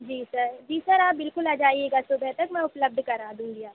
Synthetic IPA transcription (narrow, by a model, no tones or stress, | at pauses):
d͡ʒiːsɐɾd͡ʒiːsɐɾaːp̚bɪlkʊlaːd͡ʒaːieːɡasʊbɛɦt̪ɐkmɛ̃ʊpləb̚d̪ʱkɐɾaːd̪ũːŋɡiaːp